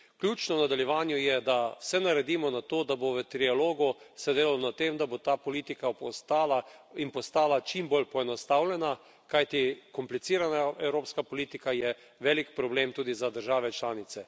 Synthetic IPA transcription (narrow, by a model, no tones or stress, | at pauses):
klʲjuːt͡ʃnɔwnad̪aljɛʋaːnjʊjɛd̪awsɛnaɾɛd̪iːmɔnat̪oːd̪aboʋət̪ɾialoːɡʊsɛd̪eːlalonat̪emd̪abot̪aːpɔliːt̪ikapst̪aːlainpɔst̪aːlat͡ʃimbolpɔɛnɔst̪awlʲɛna | kajt̪ikɔmplit̪siːɾanaɛwɾoːpskapoɔliːt̪ikajɛ | ʋɛːlikpɾɔbleːmt̪uːd̪izad̪əɾʒaːʋɛt͡ʃlaːnit̪sɛ